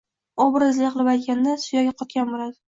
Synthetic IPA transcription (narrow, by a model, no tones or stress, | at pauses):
ɒbɾɪzlɪqlˠɪbajt̪̚ɡʲand̪asʊjɒɡʲaqʰɒt̪̚kʲanbolad̪ɪ